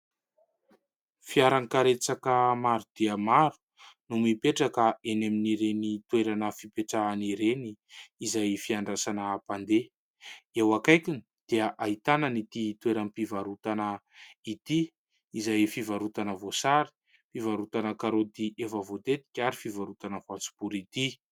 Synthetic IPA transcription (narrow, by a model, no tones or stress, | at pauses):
fiaɾankaɾet͡sakəmaɾud̪̥iəmaɾu̥ | numipeʈ͡ʂakəeneminiɾenit̪weɾanəfipeʈ͡ʂaniɾeniːzajfiaɳɖ͡ʐasanəːpand̪e | ewakajkʲini | d̪̥iaʔait̪anənit̪it̪weɾanipivaɾut̪anə | it̪iː | zajfivaɾut̪anəvosaɾi̥ | pivaɾut̪anəkaɾot̪iʔefəvot̪et̪i̥kʲaɾifivaɾut̪anəfant͡su̥buɾit̪i